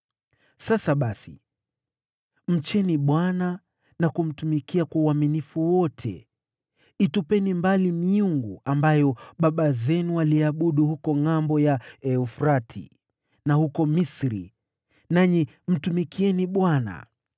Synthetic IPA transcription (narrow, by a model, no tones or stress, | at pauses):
sasaɓasḭ | m̩t͡ʃɛniɓwana | nakum̩tumikiakwauaminifuwɔtʰɛ̰ | itupɛnimbalimiuŋɡuʔambajɔɓaɓazɛnualiaɓuɗuhukɔŋambɔjaɛufɾatʰḭ | nahukɔmisɾḭ | naɲi | m̩tumikiɛniɓwana̰